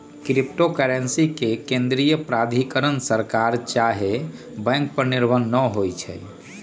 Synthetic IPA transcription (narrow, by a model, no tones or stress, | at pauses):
kɾip̚ʈokəɾensikekẽnd̪ɾijəpɾad̪ʱikəɾənsəɾkaɾt͡ʃaɦe | bɛ̃ŋk̚pəɾniɾbʱənːəɦojt͡ʃʰɛ̰j